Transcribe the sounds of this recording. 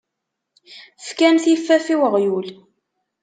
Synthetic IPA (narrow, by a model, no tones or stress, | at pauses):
fkænθjifːæfiwəʁjul